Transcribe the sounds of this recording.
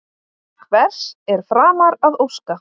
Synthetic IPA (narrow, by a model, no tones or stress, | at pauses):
kʰvɛr̥sɛɾ̥fɾaːmaɾaðowska